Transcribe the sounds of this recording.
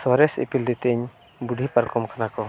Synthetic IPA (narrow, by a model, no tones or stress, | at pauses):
sɔɾɛsḭpild̪ɛt̪ɛɲ | buɖʱipaɾkɔmkanakɔ